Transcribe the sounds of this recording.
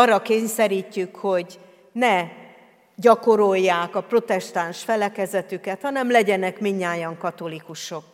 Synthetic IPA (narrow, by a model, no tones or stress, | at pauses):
ɒrːɒkeːɲsɛɾiːcːykho̞ɟ | nɛ | ɟɒko̞ɾo̞jːaːkɒpro̞t̪ɛʃt̪anʃfɛlɛkɛzɛt̪ykɛt̪hɒnɛmlɛɟɛnɛkmiɲːaːjɒŋkɒt̪o̞likuʃo̞k